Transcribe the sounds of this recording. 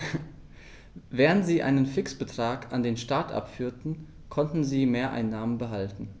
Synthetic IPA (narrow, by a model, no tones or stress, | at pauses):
vɛːʁəntz̥iːʔa̰ɪnənfɪksb̥ətʁ̥aːkandeːnʃtaɐtʔa̰pfyːɐtn̩ | kʰɔntn̩ziːmeːɐʔa̰ɪnːaːmənbəɦaltn̩